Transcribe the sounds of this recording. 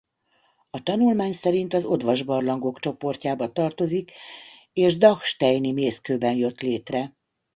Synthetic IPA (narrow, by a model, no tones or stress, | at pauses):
ɒt̪ɒnulmaːɲsɛɾint̪ɒzo̞d̪ʋɒʒbɒrlɒŋɡo̞kt͡ʃo̞po̞rcaːbɒt̪ɒrt̪o̞zik | eːʒd̪ɒkʃt̪ɛjnimeːskøːbɛnjø̞t̪leːt̪rɛ